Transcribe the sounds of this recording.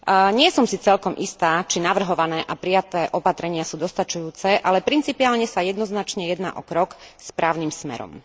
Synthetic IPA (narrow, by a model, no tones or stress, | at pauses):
ɲɪɛsɔmsit͡sɛlkɔmʔist̪aːt͡ʃinaʋr̩ɦɔʋanɛːʔapɾijat̪ɛːʔɔpat̪ɾɛɲɪasuːd̪ɔst̪at͡ʃujuːt͡sɛʔalɛpɾint͡sipiaːlɲɛsajɛd̪nɔznat͡ʃɲɛjɛd̪na̰ːʔɔkɾɔkspɾaːʊnimsmɛ̰ɾɔ̰m